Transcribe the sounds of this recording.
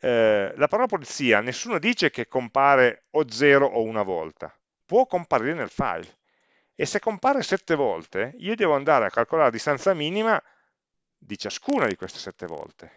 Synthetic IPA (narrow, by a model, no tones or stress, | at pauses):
lapaɾɔlapolit̪siːanesːuːnod̪iːt͡ʃek̟ekːompaːɾeod̪zɛːɾoʔounavɔ̰lt̪a̰ | pwɔkːompaɾiɾenḛlfa̰jl | esekːompaːɾesɛt̪ːevɔlt̪eiːod̪ɛːvoand̪aːɾeakːalkolaːɾed̪ist̪ant̪samiːnima | d̪it͡ʃaskuːnad̪ikwest̪e̥sɛt̪ːevɔ̰lt̪e